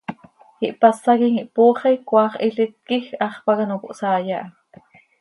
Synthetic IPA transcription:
hiʔpasɑkiŋiʔpoːχejkʷwɑːχiɬit̪̚kixɑχpɑkɑnokuʔsɑːjɑʔ

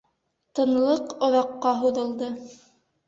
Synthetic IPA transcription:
t̪ɤ̆nlˠɤqŏðɑqːɑɦuðɤ̆lˠd̪ɤ

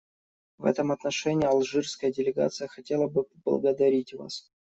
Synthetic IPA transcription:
vɛ̰t̪əmɐt̪nɐʂɛnʲɪjɐlˠʐɨrskəjədʲɪlʲɪɡa̰t̪sɨjəxɐtʲelˠəbɨəblˠə̰ɡəd̪ɐɾʲitʲva̰s

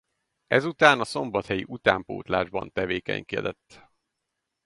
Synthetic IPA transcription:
ɛzut̪aːnɒso̞mbɒt̪hɛjiʔut̪aːmpoːt̪la̰ːʒbɒ̰nt̪ɛveːkɛ̰ɲkiɛd̪ɛt̪ː

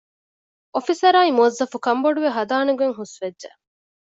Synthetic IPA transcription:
ofisɐɾaːimuɐzːɐfukɐmboɖuʋeɦɐd̪aːneɡueŋɦusʋedʒḛ

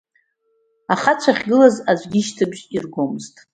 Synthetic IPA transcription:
aχat͡ɕʷʰaχʲɡɨlazazʷɡʲiʃtʰɨbʒirɡʷomɨztʼ

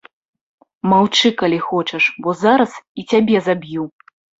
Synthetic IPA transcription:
mawt͡ʂɨkalʲixɔt͡ʂɛʂbɔzaɾɐsit͡sʲabʲɛzabʲju

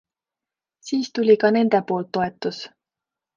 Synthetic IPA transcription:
siːst̪ulʲikɑne̞nd̪̥e̞po̞ːlt̪ːo̞e̞t̪ːˑus

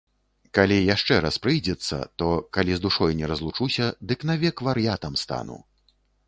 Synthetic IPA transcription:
kalʲijaʂt͡ʂɛɾaspɾɨjd͡zʲɛt̪sːɐ̰t̪ɔkalʲizd̪uʂɔjnʲɛɾɐzlˠut͡ʂusʲɐd̪ɨknavʲɛkvɐɾjat̪ɐmst̪a̰nṵ

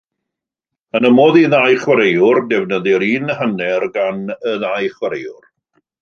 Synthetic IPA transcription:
ənəmoːðiðajχwəɾejʊrdɛvnəðɪɾiːnəhənɛrɡanəðajχwəɾejʊr

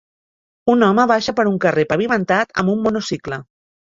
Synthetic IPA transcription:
unɔməβaʃəpəɾuŋkərepəβimənt̪at̪ə̰mbumːonosiklə

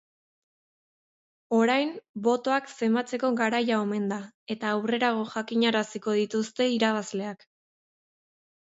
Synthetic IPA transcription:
o̞ɾajmbo̞t̪o̞akse̞mbat͡se̞ko̞ɣaɾajaome̞nd̪ae̞t̪aːwre̞ɾaɣ̞o̞ʝakiɲaɾasiko̞ð̞it̪ust̪e̞iɾaβ̞azle̞ak

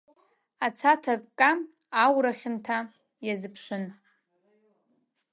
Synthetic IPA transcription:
at͡sʰatʰakʼkʼːa | awɾaχʲɪntʰa | jazɨpʰʃʷʊn

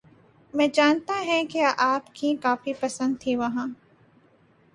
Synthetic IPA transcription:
mɛ̃ːd͡ʒaːnt̪aɦɛ̃keʔaːpkikaːfipɐsə̃nd̪̚t̪ʰiʋɐɦãː

